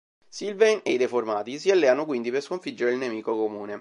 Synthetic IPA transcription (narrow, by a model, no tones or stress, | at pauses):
silveneid̪eformaːt̪isialːɛanok̬wind̪iperskoɱfid͡ʒːeɾeilnemiːkokomuːne